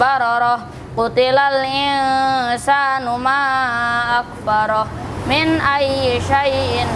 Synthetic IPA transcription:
aɾɔɾɔ | ot̪elalĩ | sanumaː | k̚ʰbaɾɔminaieʃaien

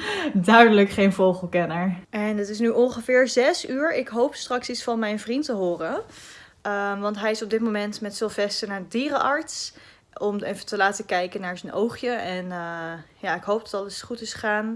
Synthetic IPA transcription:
dœɥdələkχejnvowχəl̩ˠkɛnəɹɛnətɪs̬nyʔɔnχəvɪːɹzɛsyːɹɪkɦowpstrɑksitsfɑnmɛjnvrintəɦʊːrə | əʋɑntɦɛjɪsɔb̚dɪtmomɛntmɛtsɪlˠvɛstənaːɹədiːrəʔɑɹts | ɔmejfətəlaːtəkɛjkənaːɹzənowχjəɛnəjaːɪkɦowp̚dɑtɑləsχutɪsχə̥χaːn

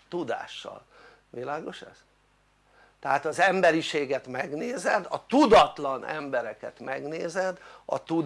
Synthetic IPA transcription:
t̪ud̪a̰ːʃːɒ̰l | ʋilaːɡo̞ʃɛ̰z̥ | t̪ɛɦaːt̪ɒzɛmbɛɾiʃeːɡɛt̪mɛɡneːzɛd̪ɒt̪ud̪ɒt̪lɒnɛ̰mbɛɾɛkɛt̪mɛɡneːzɛd̪ɒ̰t̪ud̪

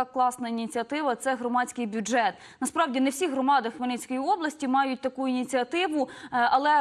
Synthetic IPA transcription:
ɑklˠɑsnɐinʲit͡sʲiɐt̪ɪʋɐt̪sɛɦɾɔmɑt͡sʲkɪjbʲʊɛt̪ | nɐspɾɑwdʲinewsʲiɦɾɔmɑd̪ɐxmenɛt͡sʲkɔjiɔblˠɐsʲtʲimɑjʊt̚ʲt̪ɐkuinʲit͡sʲiɐt̪ɪʋʊɐlˠɛ

